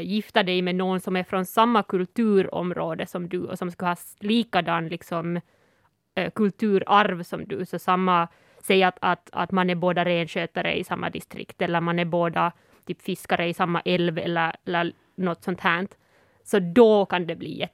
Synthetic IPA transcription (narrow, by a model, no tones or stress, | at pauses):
jɪft̪ad̪ɛjmɛnoːɡnsɔmæɾfɾɔnsamːakɵlt̪ʉ̟ːɾɔ̰mɾoːd̪əsɔmd̪ʉɔ̰sɔmskɵhɑː | liːkad̪ɑnːlɪksɔm | kɵlt̪ʰʉ̟ːɾaɾvsɔmd̪ʉ̰sɔsamːa | sɛjːat̪at̪a̰t̪manæboːd̪aɾeːnɕøːt̪aɾə̰ɪ̰samːa̰d̪ɪst̪ɾɪ̰kt̪ɛlːəɾmanæboːd̪a | t̪ʰyːpfɪskaɾəɪsamːa̰ʔɛlvɛ̰lːəɾɛlːəɾ | nɔt̪ːsɔnt̪hæːɳt̪ | sɔd̪ɔkand̪ɛblḭːɛ